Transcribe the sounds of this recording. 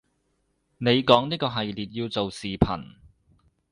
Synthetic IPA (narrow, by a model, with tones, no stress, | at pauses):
ne˨˧jkɔː˨˥ŋniː˥kɔː˧ɦɐ˨jliː˨t̚jiː˧wt͡so˨wsiː˨˩pʰɐ̰˨˩n